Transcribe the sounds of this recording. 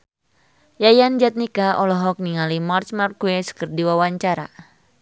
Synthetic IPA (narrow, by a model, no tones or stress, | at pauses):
jajand͡ʒat̪̚nikaʔɔlɔɦɔk̚niŋalimart͡ʃmarkuɛsə̥kərdiwawaɲt͡ʃaɾa̰